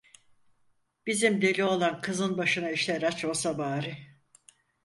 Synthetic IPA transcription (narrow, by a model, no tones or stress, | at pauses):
b̥izimd̪elʲio̞lˠankʰɯzɯnbaʃɯnaiʃlʲeɾat͡ʃosabaːɾi